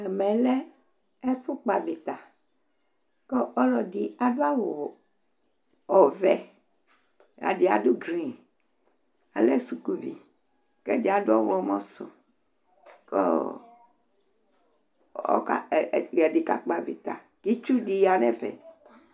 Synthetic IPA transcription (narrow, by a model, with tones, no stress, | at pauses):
ɛ˨mɛ̃˨lɛ˦ | e˦fu˦k͡pa˨vi˨t̪a˨ | ke˦ɔ˦lɔ˨ɖi˨a˨ɖo˦a˦wo˨ | ɔ˨vɛ˨ | ja̰˨ɖi˨a̰˨ɖu˦ɡɾi˦˨n | a̰˨le˦su˨ku˦vi˨ | ke˦di˦a˨do˦ɔ˦wlɔ˦mɔ̃˦so̰˨ | kḛ˦ | ɔ̰˦ka˦˨ɛ˨ɖi˨ka˦k͡pa˨vḭ˨t̪a̰˨ | ki˦t͡ʃu˦ɖi˦ja˨nɛ˦vɛ̰˨